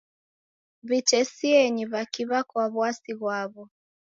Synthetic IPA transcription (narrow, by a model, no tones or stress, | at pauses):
βit͡ʃɛsiɛɲiβakiβakwaβwasiɣwaβɔ